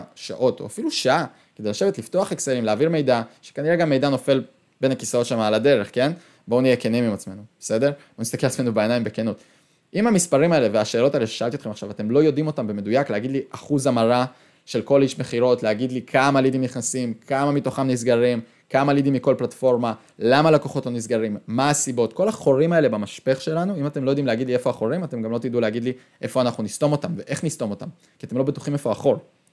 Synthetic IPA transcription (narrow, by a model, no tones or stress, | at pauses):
ʃa̰ʔo̞to̰afiluʃaʔa | ked̪ejlaʃe̞ve̞t̪lifto̞aχekseʁimleːviʁme̞jdaʃe̥kaniʁeɡamːe̞jdano̞fe̞l | be̞nakisao̞tʃamaːlade̞ʁeχke̞n | bo̞unejekenimimat͡smenub̥ese̞deʁbonist̪akelasmenubeenajimbekenot̪ | ʔimamispaʁimae̞le̞veaʃeːlo̞taeleʃeʃaaltiotχemaχʃavat̪e̞mlo̞jo̞dimo̞tambeme̞dujakleaɡid̪liʔaχuzamaʁa | ʃe̞lko̞liʃmeχiʁo̞tleaɡid̪likʰamalidimniχnasimkʰamamito̞χamnisɡaʁim | kamalid̪imiko̞lplatfo̞ʁma | lamalakoχo̞to̞nis̬ɡaʁimːaːsibo̞tko̞laχo̞ʁimae̞le̞bamaʃpeχʃe̞lanuimatemlo̞jo̞d̪imleaɡidlie̞foaχo̞ʁimate̞mɡamlo̞t̪iduleaɡid̪li | ʔe̞fo̞anaχnunisto̞mo̞tamve̞ʔe̞χnist̪o̞mo̞tam | kiat̪e̞mlo̞betu̥χimefo̞aχo̞ʁ